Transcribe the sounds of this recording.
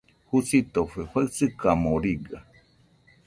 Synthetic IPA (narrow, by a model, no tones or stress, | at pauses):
husit̪oɸeɸaɨt͡sɨkamoɾiɡa